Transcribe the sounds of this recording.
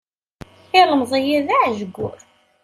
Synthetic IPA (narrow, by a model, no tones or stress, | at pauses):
ɪʁəmðˤijiðaʕʒəɡʷːʊ̰ɾ